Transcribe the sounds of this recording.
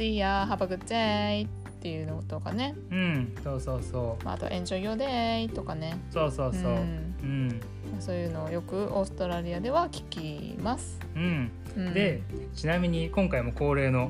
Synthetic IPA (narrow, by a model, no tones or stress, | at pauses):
ijaɦabaɡɯ̟t͡ɕeit̪ːe̞jɯ̟ːnoot̪okane̞ | ɯ̟̃ɴsoːso̞ːsoːma̰a̰t̪o̞̰ʔẽ̞ɲd͡ʑo̞ːɡʲo̞ːd̪eit̪o̞kane̞soːsoːsoːɯ̟̃ɴ | maso̞ːjɯ̟ːno̞ːjo̞kɯ̟ʔo̞ːsɨ̥t̪oɾaɾʲiad̪e̞βakʲi̥kʲi | masɨ̥ | ɯ̟̃ɴ | ɯ̟̃dd̪e̞t͡ɕinamʲiɲ̟ikõ̞ŋkaimo̞ko̞ːɾe̞ːno̞